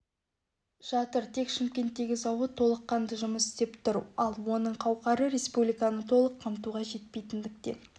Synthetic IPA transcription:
ʒ̥ɑt̪əɾt̪ʰe̞kʃɪmkʲe̞nt̪ːe̞ɡʲɪzɑwət̪ʰo̞lˠəqːɑnd̪əʒʊməsɪ̥st̪e̞pt̪ʰʊɾɑlˠwo̞nəɴqʰɑwqɑɾəɾe̞spublʲijkanət̪ʰo̞lˠəqʰːɑmt̪uʁɑʒe̞t̪̚pe̞jt̪ɪnd̪ɪk̚t̪e̞̰

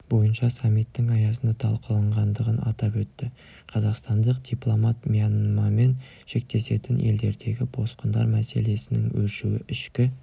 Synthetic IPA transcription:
bo̞jənʃɑsɑmːijt̪ːɪŋɑjɑsənd̪ɑt̪ʰɑlˠqəlˠɑɴʁɑnd̪əʁənɑ̰t̪ɑpwɵt̪ːɪ | qʰɑzɑqst̪ɑnd̪əq̚d̪̥iplˠomɑt̪mʲianmɑme̞n | ʃe̞k̚t̪e̞se̞t̪ɪnʔe̞̰ld̪e̞ɾd̪e̞ɡʲɪbo̞sqənd̪ɑ̰ɾmæse̞le̞sɪnɪ̰ŋwɵlʃuwɪ̰ʔɪʃkʲɪ

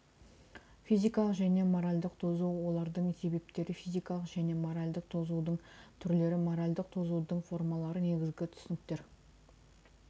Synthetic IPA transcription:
fijzijkɑlˠəqʒæne̞mo̞ɾalʲd̪əqt̪ʰo̞zuwwo̞lˠɑɾd̪əɴse̞be̞p̚t̪e̞ɾɪfijzijkɑlˠəqʒæne̞mo̞ɾalʲd̪əq̚t̪ʰo̞zud̪əɴt̪ʰʏɾle̞ɾɪmo̞ɾalʲd̪əq̚t̪ʰo̞zud̪əɴfo̞rmɑlˠɑɾəne̞ɡʲɪzɡʲɪt̪ʰʏ̥sɪnɪkt̪e̞ɾ

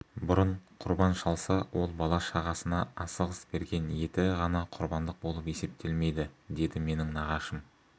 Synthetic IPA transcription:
bʊɾəɴqʰʊɾbɑnʃɑlˠsɑwʔo̞lˠbɑlˠɑʃɑʁɑsənɑɑsəʁəsbe̞ɾɡʲe̞nje̞t̪ɪʁɑnɑqʰʊɾbɑnd̪əq̚bo̞lˠəpe̞se̞p̚t̪ʰe̞lme̞jd̪ɪd̪e̞d̪ɪme̞nɪŋnɑʁɑʃəm

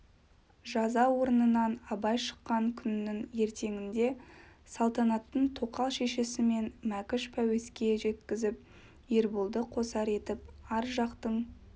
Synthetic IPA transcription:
ʒɑzɑwo̞ɾənənɑnɑbɑjʃə̥qːɑŋkʲʰʏnːɪŋje̞ɾt̪e̞ŋɪnd̪e̞sɑlˠt̪ɑnɑt̪ːəɴt̪ʰo̞qɑlˠʃe̞ʃe̞sɪme̞nmækʲɪʃpʰæwe̞skʲe̞ʒe̞t̪kʲɪzɪp̚ | jeɾbʊlˠd̪əqʰo̞sɑɾe̞t̪ɪp̚ɑɾʒɑqt̪əɴ

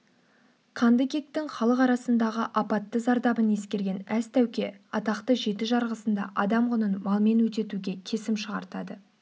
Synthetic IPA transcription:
qʰɑnd̪əkʲe̞k̚t̪ɪŋχɑlˠəqɑɾɑsənd̪ɑʁəʔɑpɑt̪ːəzɑɾd̪ɑbəne̞skʲe̞ɾɡʲe̞næst̪ʰæwkʲe̞ɑt̪ɑqt̪əʒe̞t̪ɪʒɑɾʁəsənd̪ɑ̰ʔɑd̪ɑmʁʊnənmɑlˠme̞nwɵt̪̬e̞t̪uɡʲe̞kʲʰe̞sɪmʃəʁɑ̰ɾt̪ɑd̪ə

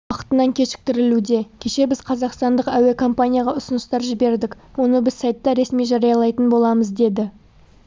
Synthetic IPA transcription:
ɑqə̥t̪ənɑŋkʲʰe̞ʃɪ̥k̚t̪ɪɾɪlud̪e̞kʲʰe̞ʃe̞bɪz̥qʰɑzɑqst̪ɑnd̪əqæwe̞kʰo̞mpanʲijaɑʁɑʊsʊnəst̪ɑɾʒɪbe̞ɾd̪ɪkwo̞nəbɪzsajt̪ːɑɾe̞smijʒɑɾɑjɑlˠɑjt̪ənbo̞lˠɑməzd̪e̞d̪ɪ

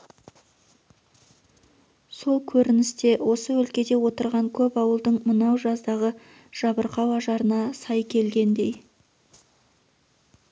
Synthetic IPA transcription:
so̞lˠkʲʰɵɾɪnɪst̪e̞wʔo̞səwɵlkʲe̞d̪e̞wo̞t̪əɾʁɑŋkʲʰɵpɑwəlˠd̪əɴmənɑwʒɑzd̪ɑʁə | ʒ̥ɑbəɾqɑwɑʒɑɾənɑsɑjkʲʰe̞lɡʲe̞nd̪e̞j

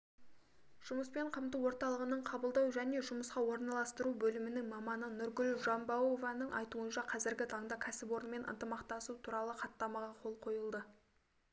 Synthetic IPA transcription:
ʒ̥ʊməspe̞ɴqʰəmt̪əwo̞ɾt̪ɑlˠəʁənəɴqʰɑbəlˠd̪ɑwʒæne̞ʒʊməsqɑwo̞ɾnɑlˠɑst̪əɾubɵlɪmɪnɪŋmɑmɑnənʊɾɡʲʏlʒɑmbɑwovɑnəɴʔɑ̰jt̪uənʃɑqʰɑzɪɾɡʲɪt̪ʰɑɴd̪ɑkʲʰæsɪpo̞ɾənme̞nʔə̰nt̪əmɑqt̪ɑsut̪ʰuɾɑlˠəqʰɑt̪ːɑmɑʁɑqʰo̞lˠqʰo̞jəlˠd̪ə

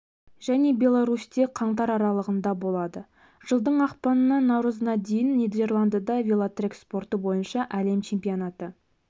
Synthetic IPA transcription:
ʒæne̞bʲe̞lˠɑɾust̪e̞qʰɑɴt̪ɑɾɑɾɑlˠəʁənd̪ɑbo̞lˠɑd̪ə | ʒ̥əlˠd̪əɴɑqpɑnənɑnɑwɾəzənɑd̪e̞jɪnːed̪e̞rlˠand̪ad̪ɑvʲelˠat̪rʲekspo̞rt̪əbo̞jənʃɑʔæle̞mt͡ʃʰe̞mpijonat̪ə

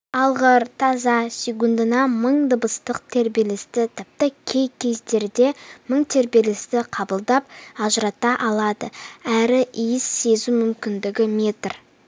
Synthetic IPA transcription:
ɑlˠʁəɾt̪ʰɑzɑsʲekund̪ənɑməɴd̪əbəst̪əq̚t̪ʰe̞ɾbe̞lɪst̪ɪt̪ʰɪp̚t̪ɪkʲʰe̞jkʲʰe̞zd̪e̞ɾd̪e̞məɴt̪ʰe̞ɾbe̞lɪst̪ɪqʰɑbəlˠd̪ɑp̚ɑʒɾɑt̪ɑʔɑlˠɑd̪əæɾɪʔijɪsːe̞zumʏmkʲɪnd̪ɪɡʲɪmʲe̞t̪r

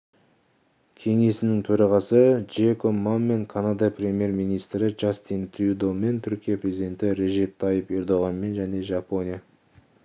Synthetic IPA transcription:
kʲʰe̞ŋe̞sɪnɪŋt̪ʰɵɾɑʁɑsəd͡ʒekʰomːanme̞ŋkʰanad̪ɑprʲe̞mje̞ɾmijnijst̪ɾɪd͡ʒast̪int̪ʰud̪ome̞nt̪ʰʏɾkʲijaprʲezʲid̪e̞nt̪ɪɾe̞ʒe̞p̚t̪ʰɑjəpe̞ɾd̪o̞ʁɑnme̞nʒæne̞ʒɑpo̞nʲijɑ

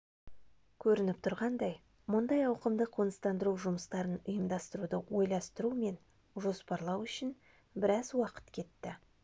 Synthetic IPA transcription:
kʲʰɵɾɪnɪp̚t̪ʰʊɾʁɑnd̪ɑj | mʊnd̪ɑjɑwqəmd̪əqʰonəst̪ɑnd̪əɾuʒʊməst̪ɑɾənʊjəmd̪ɑst̪əɾud̪əwo̞jlˠɑst̪əɾume̞n | ʒo̞spɑɾlˠɑwʏʃɪn | bɪɾɑzwɑqə̥t̪kʲʰe̞t̪ːɪ

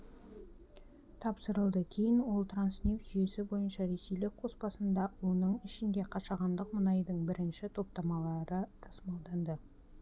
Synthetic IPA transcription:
t̪ʰɑpsəɾəlˠd̪əkʲʰe̞jɪnwo̞lˠt̪ransnʲift̪ʒ̥ʏje̞sɪbo̞jənʃɑɾe̞sejlɪk̚qʰo̞spɑsənd̪ɑonəɴɪʃɪnd̪e̞qʰɑʃɑʁɑnd̪əqmənɑjd̪əɴbɪɾɪnʃɪt̪ʰo̞p̚t̪ɑmɑlˠɑɾət̪ʰɑsmɑlˠd̪ɑnd̪ə

